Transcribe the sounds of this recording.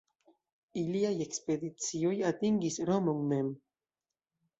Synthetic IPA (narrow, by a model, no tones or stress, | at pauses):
iliajekspeðit͡siojat̪iŋɡisɾomoŋmem